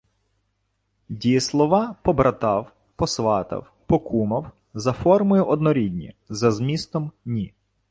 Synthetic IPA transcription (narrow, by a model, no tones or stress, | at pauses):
dʲijɛslˠɔʋɑpɔbɾʔɐt̪ɑw | pɔsʋɑt̪ɐ̰w | pɔkʰumɐw | zɐfɔrmʊjʊʔɔd̪nɔɾʲidʲnʲḭzɐzmʲist̪ɔmnʲi